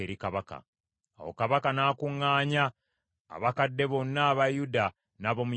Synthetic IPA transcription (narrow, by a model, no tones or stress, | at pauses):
eɾikaβaka̰ | a̰wo̰kaβakanaːkuŋːaːɲa̰ː | βakadːe̞βo̞nːaːβajuda | naβo̞mu